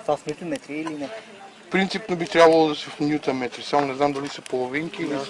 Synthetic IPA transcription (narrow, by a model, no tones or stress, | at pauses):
t̪vasnit̪ʊmɛt̪ɾiːlinɛ | fpɾint̪sipnobit̪ɾʲabvɐlˠod̪ɐsɛfnʲjut̪ɐmɛt̪ɾisamonɛznamd̪ɐlisəpolˠoviŋkiːli